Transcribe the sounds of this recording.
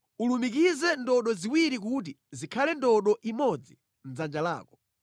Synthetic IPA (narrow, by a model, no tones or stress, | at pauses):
ulumikizɛndɔɗɔziwiɾik̬ut̬i | zikʰalɛndɔɗɔʔimɔd͡zi | n̩zand͡ʒala̰ːkɔ̥